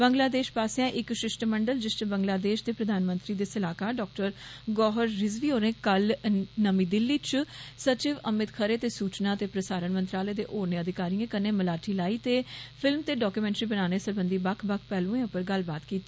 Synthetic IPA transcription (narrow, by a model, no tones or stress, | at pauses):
bəŋɡlaːd̪eːʃpaːsjãːʔɪkʃɪʃʈəməɳɖəld͡ʒɪsʈbəŋɡlaːd̪eːʃd̪eːpɾəd̪ʱaːnmə̃nt̪ɾiːd̪eːsəlaːkaːɖɔːk̚ʈəɾɡɔːɦəɾːɪzʋiːoːɾẽːkəlnəmĩːd̪ɪlːiːt͡ʃsət͡ʃɪʋəmɪt̪kʰəɾeːt̪eːsuːt͡ʃnaːt̪eːpɾəsaːɾənmənt̪ɾaːləeːd̪eːʔoːɾneãəd̪ʱɪkaːɾijãːkənẽːməlaːʈʰiːlaːiːt̪eːpʰɪlmt̪eːɖɔːkuːmɛ̃ɳʈɾiːbənaːneːsəɾbənd̪iːbəkʰbəkʰpɛːlũːẽəpəɾɡəlbaːt̪kiːt̪i